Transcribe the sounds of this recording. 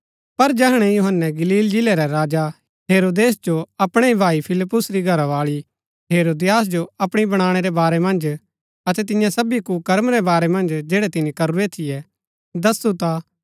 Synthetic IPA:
pɐɾd͡ʒɐɦɽ̃ɛjuɦənːɛɡɐliːld͡ʒɪlɛɾɛɾaːd͡ʒa | ɦeːɾoːd̪eːsd͡ʒoɐpɽ̃eibʱaːipʰɪlɪpːʊsɾiɡʱɐɾaʋaːɭi | ɦeːɾoːd̪ɪjaːs̬d͡ʒoɐpɽ̃ibɐɽ̃aːɽ̃ɛɾɛbaːɾɛmɐ̃nd͡ʒ | ɐt̪ɛt̪̬ɪ̃jãsɐbikukɐɾəmɾɛbaːɾɛmɐ̃nd͡ʒd͡ʒeːɽɛt̪ɪnikɐɾuɾɛt̪ʰɪjɛ | d̪ɐsut̪a

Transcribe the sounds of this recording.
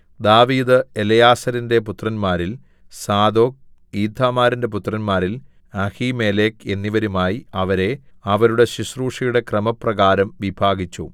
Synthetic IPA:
d̪aːʋiːd̪ɨelɐjaːsɐɾinde̞put̪rɐnmaːɾil | saːd̪o̞ːk̚iːd̪ʱːaːmaːɾinde̞p̬ut̪rɐnmaːɾil | ɐhime̞ːleːke̞nːiʋɐɾumaːjiɐʋɐɾe̞ɐʋɐɾuɽe̞ɕiʂruːʂɐjuɽe̞krɐmɐprɐɣaːɾɐmʋibʱaːɡit͡ɕːṵ

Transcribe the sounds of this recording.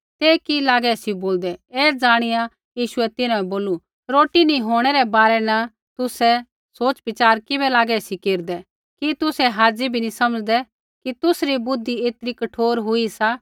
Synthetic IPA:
t̪eːkilaːɡɛsiboːld̪ɛeːd͡zaːɽ̃ɪja | jiːʃʊɛt̪ɪnãɛboːlu | ɾoːʈinĩɦoːɽ̃ɛɾɛbaːɾɛna | t̪ʊsɛ | soːt͡ʃbɪt͡ʃaːɾkɪbɛlaːɡɛsikeːɾd̪ɛ | kit̪ʊsɛɦaːd͡ʒibʱinĩsɐməd͡ʒd̪ɛ | kit̪ʊsɾibʊd̪ʱːieːt̪ɾikɐʈʰoːɾɦʊisa

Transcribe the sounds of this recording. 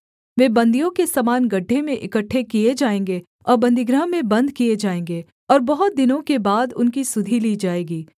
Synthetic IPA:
ʋeːbɐ̃nd̪ʱijõkesamaːnɡɐɖʱːemẽʔɪkəʈʰːekied͡ʒaːẽːŋɡe | ɔ̰ːɾbɐ̃nd̪ʱɪɡɾəɦmẽbɐ̃nd̪kied͡ʒaːẽːŋɡeː | ɔːɾbɐɦʊt̪̚d̪ɪnõkebaːd̪ʊnkisʊd̪ʱiliːd͡ʒaːeːɡiː

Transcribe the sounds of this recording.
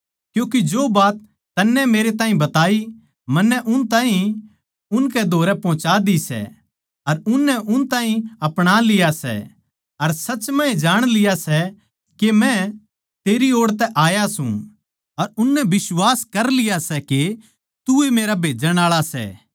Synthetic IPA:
kjũːk̬id͡ʒoːbaːt̪ː | ɐnːɛmeːɾet̪aːɦĩbɐt̪aːi | mɐnːɛʔʊnt̪ãːɦĩ | ʊnkɛd̪ʱoːɾɛpɔ̃ːt͡ʃad̪isɛ̰ | ɐɾʊnːɛʔʊnt̪aːɦĩɐpɽ̃alɪjasɛ̰ | ɐɾsɐːt͡ʃmɐ̃ẽd͡ʒaːɽ̃lɪjasɛ | kemɛ̃ | t̪eːɾioːɽt̪ɛʔaːjasṵ̃ | ɐɾʊnːɛbɪswaːskɐɾlɪjasɛke | t̪ʊemeːɾabʱeːd͡ʒəɽ̃aːɭasɛ̰ː

